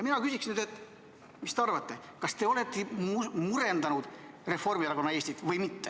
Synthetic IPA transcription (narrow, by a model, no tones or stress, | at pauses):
jɑminɑkysiksinyːd̪et̪ːˑ | mist̪eɑrvɑt̪ːe̞ | kɑst̪e̞o̞le̞t̪ːˑimuɾe̞nd̪ɑnud̪̥ | re̞fo̞rmiɑɾɑkonːɑe̞ːsʲt̪it̪ːˑvɤjmit̪ːe